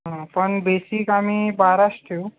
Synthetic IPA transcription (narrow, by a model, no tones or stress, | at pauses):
ɦə̃pəɳbesikamiːbaɾast̪ʰiu